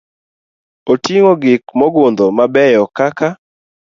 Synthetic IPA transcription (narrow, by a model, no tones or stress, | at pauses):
otiŋoɡɪkmɔɡʊnd̪ɔmabɛjɔkaka